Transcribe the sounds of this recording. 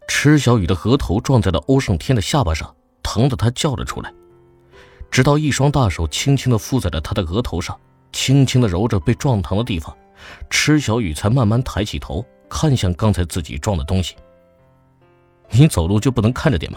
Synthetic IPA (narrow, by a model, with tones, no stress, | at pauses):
ʈ͡ʂʰɻ̩˥ɕjɑ˧˥ʊy˨˩d̪ə˦ɣɤ˧˥t̪ʰo˧˥ʊʈ͡ʂwɑ˥˧ŋt͡sa˥˩ɪlə˩ʔo˥ʊʂɤ˥˧ŋt̪ʰjɛ˥nd̪ə˨ɕja˥˩pa˥˩ʂɑ̰˥˩ŋ | t̪ʰɑ˧˥ŋd̪ə˨˩t̪ʰa˥t͡ɕjɑ˥˩ʊlə̰˩ʈ͡ʂʰṵ˥la˧ɪ | ʈ͡ʂɻ̩˧˥t̪ɑ˥˧ʊi˥˩ʂwɑ˥ŋt̪a˥˩ʂo˨˩ʊt͡ɕʰi˥ŋt͡ɕʰi˥ŋd̪ə˨fu˥˧t͡sa˥˩ɪlə˩t̪ʰa˥d̪ə˨˩ɣɤ˧˥t̪ʰo˧˥ʊʂɑ˥˩ŋ | t͡ɕʰi˥ŋt͡ɕʰi˥ŋd̪ə˨ɻo˧˥ʊʈ͡ʂɤ˨˩pe˥˧ɪʈ͡ʂwɑ˥˩ŋt̪ʰɑ˧˥ŋd̪ə˧t̪i˥˩fɑ̰˨˩ŋ | ʈ͡ʂʰɻ̩˥ɕjɑ˧˥ʊy˨˩t͡sʰa˧˥ɪma˥˧nma˥˩nt̪ʰa˧˥ɪt͡ɕʰḭ˨˩t̪ʰo˧˥ʊ | kʰa˥˧nɕjɑ˥˩ŋkɑ˥ŋt͡sʰa˧˥ɪt͡sɹ̩˥˩t͡ɕḭ˨˩ʈ͡ʂwɑ˥˩ŋd̪ə˩t̪ʊ˥ŋɕi̥˨ | ni˧˥t͡so˨˩ʊlu˥˩t͡ɕjo˥˧pu˥˩n˧˥ŋkʰa˥˩nʈ͡ʂə˩t̪jɛ̰˨˩nb